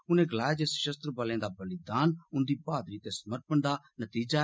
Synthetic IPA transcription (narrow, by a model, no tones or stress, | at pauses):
ʊnẽɡɐlaːed͡ʒesʃəst̪ɾəbɐlẽːd̪abɐlɪd̪aːnʊ̃nd̪ibaːd̪ɾit̪esməɾpəɳd̪a | nɐt̪iːd͡ʒa